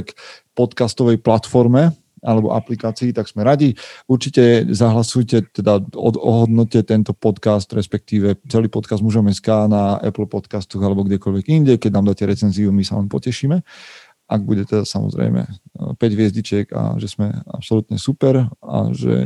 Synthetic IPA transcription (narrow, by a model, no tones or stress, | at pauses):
kpɔt̪kast̪ɔʋɛjplat̪fɔɾmɛ | alɛbɔ̰ʔaplikaːt͡siːt̪aɡsmɛɾaɟiuɾt͡ʃicɛzaɦlasujcɛt̪ɛd̪aɔ̰ɔ̰ɦɔd̪nɔcɛt̪ɛnt̪ɔpɔt̪kast̪ɾɛspɛk̚t̪iːʋɛt͡sɛliːpɔt̪kazd̪muʒɔmɛskaːnaɛ̰pl̩pɔt̪kast̪ɔɣalɛbɔɡɟɛkɔlʋɛɡinɟɛkɛɟ̚naːmd̪aːcɛɾɛt͡sɛnziumisalɛnpɔ̰cɛʃiːmɛ | ʔaɡ̚buɟɛt̪ɛd̪asamɔ̰zɾɛ̰ɪmɛ̰pɛɟʋɪɛzɟit͡ʃɛɡa̰ʒɛsmɛ̰a̰psɔlut̪ɲɛsupɛɾa̰ʒɛ̰